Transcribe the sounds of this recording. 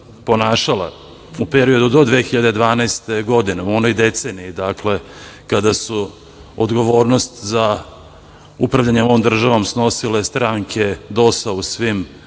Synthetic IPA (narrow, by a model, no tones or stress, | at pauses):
po̞naːʃala̰ | upeɾio̞d̪ud̪o̞d̪ʋeːxiʎad̪ed̪ʋaːnast̪e̞ɡo̞d̪ineuo̞nojd̪e̞t̪se̞ːniːd̪akle̞kad̪asu | o̰d̪ɡo̞ʋo̞ːɾno̞st̪za | upɾaʋʎʲaɲeoʋomd̪r̩ʒaʋo̞msno̞silest̪ɾaŋkʰe̞d̪o̞sausʋim